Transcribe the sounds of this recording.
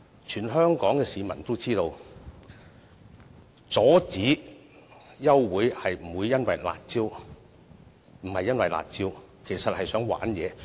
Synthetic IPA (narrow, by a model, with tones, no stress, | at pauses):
t͡ʃʰyː˨˩nɦœː˥ŋkɔː˨˥ŋkɛː˧siː˨˧mɐ˨˩nt̪o˥wt͡siː˥t̪o˧w | t͡sɔː˨˥t͡siː˨˥ | jɐ˥wːuː˨˥jhɐ˨jm̩˨˩wuː˨˧jːɐ˥nwɐ˨jla̰ː˨t̚t͡siː˥w | m̩˨˩hɐ˨jːɐ˥nwɐ˨jla̰ː˨t̚t͡siː˥w | kʰe˨˩jsɐ˨t̚hɐ˨jsœː˨˥ŋwa̰ː˨˥njɛ̰ː˨˧